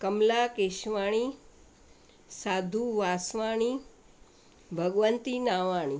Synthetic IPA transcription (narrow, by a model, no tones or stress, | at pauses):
kəmlakeʃʋaɽ̃i | sad̪ʱuʋasʋaɽ̃i | bʱəɡʋənt̪inaʋaɽ̃i